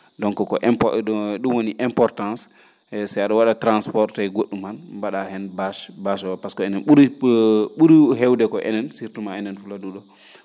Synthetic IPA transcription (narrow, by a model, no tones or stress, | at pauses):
dɔŋkɔkɔʔɛmpɗumwoniʔɛmpɔɾtãns | saaɗɔwaɗatɾanspɔɾtajɡoɗːumanbaɗahɛnbaʃbaʃɔapaskɔɛnɛnɓuɾ | ɓuɾɦɛwdɛkɔʔɛ̰nɛnsiɾtumaɛnɛnfuladuɗɔ